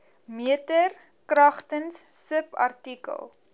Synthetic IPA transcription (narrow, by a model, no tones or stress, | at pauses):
miətər | krɐχtənsːəpɐ̰rtikə̰lˠ